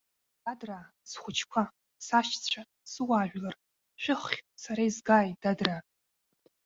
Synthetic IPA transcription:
d̥adra | sχʷʊt͡ʃʰkʷʰa | saʃt͡sʷʰa | sɨwaːʒᶣʷlar | ʃʷᶣɪχχʲsaɾaizɡaːjdadra

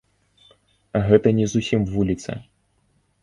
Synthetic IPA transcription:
ɐɣɛt̪ɐnʲɛzusʲimvulʲit̪sɐ̰

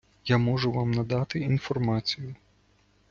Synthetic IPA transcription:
jamɔʒʊʋɑmnɐd̪ɑt̪ɪinfɔrmɑt͡sʲijʊ

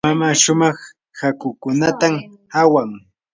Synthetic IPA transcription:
mamaːʃʊmɑχ | hakʊkʊnat̪am | awaŋ

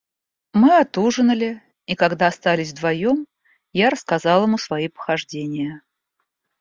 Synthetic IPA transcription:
mɨɐt̪uʐɨnəlʲɪ | ikaɡd̪aːst̪alʲɪsʲvd̪vɐjom | jaɾəskazɑlˠɪmusvɐipə̥xɐʐdʲenʲɪjə

